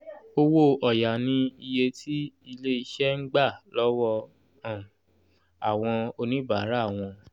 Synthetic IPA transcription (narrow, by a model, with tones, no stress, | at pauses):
o˦wo˦˨ʔɔ˨ja˨nĩ˧i˧je˧tʰi˦i˧le˦i˧ʃɛ˦ŋ̩˦ɡ͡ba˦˨lɔ˦wɔ˧ | ã˨ | a˨w̃ɔ̃˧o˧nĩ˦ba˨˦ɾa˦˨w̃ɔ̃˧